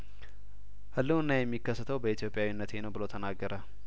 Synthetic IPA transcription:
hɨlːuɨnːajɛmːikːəsːət̪ʰəwbəit̪ijopʼɪjawinːət̪henəwbɨlot̪ʰənaɡːəɾə

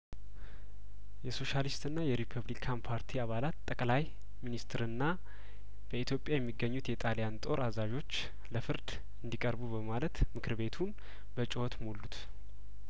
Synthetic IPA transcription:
jɛso̞ʃalist̪ɨnːajɛɾipʰəβlikʰanpʰaɾt̪ʰiaβalat̪t̪ʼːəkʼlaj | minist̪ɨɾɨnːa | b̥əit̪ʰjo̞pʼjajɛmːiɡːəɲːut̪jɛt̪ʼalijant̪ʼo̞ɾazaʒo̞t͡ʃː | ləfɨɾd̪ | ɨnd̪ikʼəɾbubəmalət̪mɨkʰɨɾbe̞t̪ʰun | bət͡ʃʼɪwɔt̪molːut̪

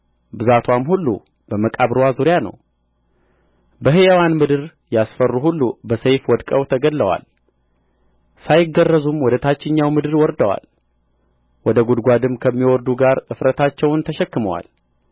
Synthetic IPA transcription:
bɨzat̪ʰwamhulːṵ | b̥əməkʼaβɾwazuɾjanə̰w | bəɦɨjəwanmɨd̪ɨɾ | jasfərːuhulːubəsejfwɔd̪kʼəwt̪ʰəɡəlːəwa̰l | sajɪɡːərːəzumwɔd̪ət̪ʰat͡ʃːɪɲːawmɨd̪ɨɾwɔɾd̪əwa̰l | wɔd̪əɡud̪ɡʷad̪ɨmkʰəmːiwɔɾd̪uɡaɾʔɨfɾət̪ʰat͡ʃːɛwnt̪ʰəʃɛkːɨməwa̰l

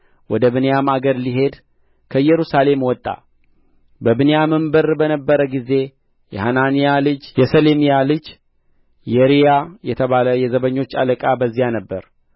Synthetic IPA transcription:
wɔd̪əβɨnejamaɡəɾliɦe̞d̪ | kʰəjːɛɾusale̞mwɔt̪ʼːa̰ | bəbɨnejamɨmbəɾbənəbːəɾəɡize̞ | jɛ̰hananijalɨd͡ʒjɛsəlemijalɨd͡ʒ | jɛɾijajɛt̪ʰəβaləjɛzəβəɲːo̞t͡ʃːa̰ləkʼabəzːijanəbːəɾ

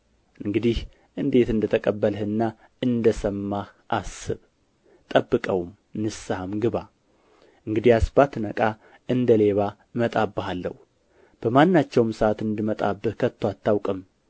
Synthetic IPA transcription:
ʔɨŋɡɨd̪ih | ʔɨnd̪e̞t̪ɨnd̪ət̪ʰəkʼəbːəlhɨnːa | ɨnd̪əsəmːahʔasɨβ | t̪ʼəbːɨkʼəwm | nɨsamɡɨβa | ʔɨŋɡɨd̪ihasbat̪nəkʼa | ʔɨnd̪əle̞βa | mət̪ʼabːɨhalːə̰hu | b̥əmanːat͡ʃːɛwmsʔat̪ɨnd̪ɨmət̪ʼa̰bːɨhkʰət̪ʰːoat̪ʰːawkʼɨm

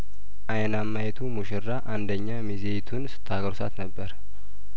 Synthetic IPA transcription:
ʔajnamːajɛt̪ʰumuʃɪrːaʔand̪əɲːamizejt̪ʰunsɨ̥t̪ʰːaɡəɾsa̰t̪nəbːəɾ

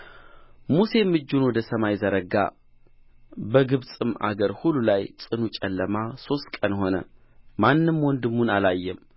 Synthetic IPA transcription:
muse̞mːɨd͡ʒːunwɔd̪əsəmajzəɾəɡa̰ | bəɡɨβsʼɨma̰ɡəɾhulːulajsʼɨnut͡ʃʼɛlːəmaso̞st̪kʼənho̞nə̰ | manːɨmwɔnd̪ɨmːunalajːɛm

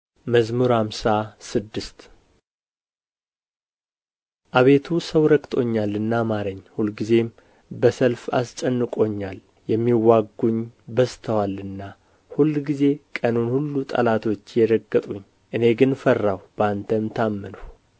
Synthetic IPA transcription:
məzmuɾhamsasɨd̪ːɨst̪ | ʔaβe̞t̪ʰusəwɾəkʼt̪ʼo̞̰ɲːalːɨnːamaɾəɲːhulɡize̞m | bəsəlfa̰st͡ʃʼənːɨkʼo̞ɲːal | jɛmːiwːaɡːuɲbəst̪ʰəwalɨnːa | hulːɡize̞kʼənunhulːut̪ʼə̰lat̪ʰo̞t͡ʃːjɛɾəɡːət̪ʼuɲː | ʔɨne̞ɡɨnfərːawb̥əant̪ʰəmt̪ʰamːɨnəw

